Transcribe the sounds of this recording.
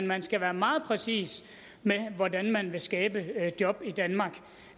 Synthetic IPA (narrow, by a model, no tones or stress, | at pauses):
nmænsɡ̥æʋæːɐmɑ̈ːð̞̩ˠpʰʁɛsḭːs | meʋɒdænmænʋe̝sɡ̥ɛːb̥əd̥jɒ̽b̥id̥ænmɑ̈ːɡ̥